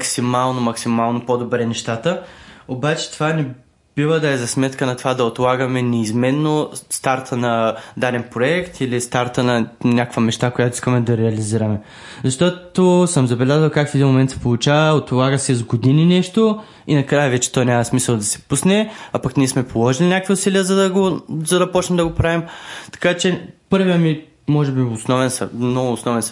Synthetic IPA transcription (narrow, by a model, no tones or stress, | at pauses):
ksimalˠnomɐksimalˠnopod̪obɾɛnɛʃt̪at̪əobat͡ʃɛ̥t̪ovanɛ | b̥ivəd̪ɐɛzɐsmɛt̪kənɐt̪ovad̪ɐot̪lˠaɡəmɛnɛizmɛnːost̪aɾt̪ʰənɐd̪aɾɛnpɾoɛkt̪ʰilist̪aɾt̪ənɐnʲakkvɐmɛʃt̪akojat̪oiskəmɛd̪ɐɾɛɐliziɾɐmɛ | zɐʃt̪ɔt̪osəmzɐbɛlʲazvəlˠkakfɛd̪inmomɛnt̪sɛ̥polˠut͡ʃavəot̪polˠaɡəsɛzɡod̪ininɛʃt̪o | inɐkɾajəvɛt͡ʃɛ̥t̪ɔjnʲamɐsmisəlˠd̪ɐsɛ̥pusnɛapɐknʲiɛsmɛpolˠɔʒilʲinʲakviʊsiliəzɐd̪ɐɡozɐd̪ɐpɔt͡ʃnɛmd̪ɐɡopɾavimt̪ɐ̥kat͡ʃɛpɤɾvijəmi | mɔʒɛbiʊsnɔvɛnsɐ̰mnɔɡʊːsnɔvɛns